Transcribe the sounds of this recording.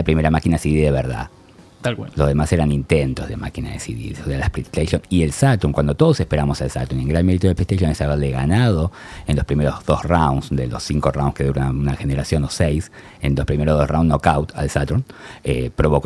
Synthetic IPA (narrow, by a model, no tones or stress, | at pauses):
lapɾimeɾamakinasiðiðeβeɾða̰ | t̪alkwalo̞zðemaseɾanint̪ent̪ozðema̰kinaðḛsḭðḭselaspɾit̪ejsonielsat̪uŋkwand̪ot̪o̞ð̞osepeɾamosalsa̰t̪uneŋɡɾanmeɾit̪oðepɾist̪ejʃjonesaβeɾleɣanað̞o̞ | enlospɾimeɾozðosrawnsd̪elo̰siŋkorawnske̞ðuɾonaunaxeneɾasjo̞nosejs | ḛnlospɾimeɾoðosrawnnokawt̪a̰lsat̪unepɾo̞βok